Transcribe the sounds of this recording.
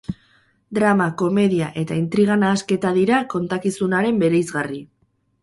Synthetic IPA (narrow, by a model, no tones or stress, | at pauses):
d̪ɾamako̞me̞ðiaʔe̞t̪aint̪ɾiɣ̞anaːske̞t̪aðiɾako̞nt̪akisunaɾe̞mbe̞ɾe̞jzɣari